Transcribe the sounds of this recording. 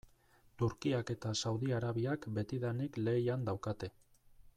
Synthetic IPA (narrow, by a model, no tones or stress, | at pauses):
t̪uɾkiake̞t̪asawðiaɾaβiakbe̞t̪iðanikle̞ːjand̪awkat̪e̞